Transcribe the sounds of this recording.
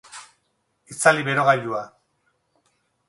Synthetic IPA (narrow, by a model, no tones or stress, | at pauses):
it͡saliβe̞ɾo̞ɣajʎua